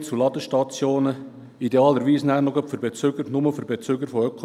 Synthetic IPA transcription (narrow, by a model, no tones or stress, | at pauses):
t͡sulɑd̪əʃtɑt͡sjoːnə | id̪eɑːləɾʋiːsnæːɾnoɡœpfʏɾbet͡sʏɡəɾnʊməfʏɾbet͡sʏɡəɾfoœkʰo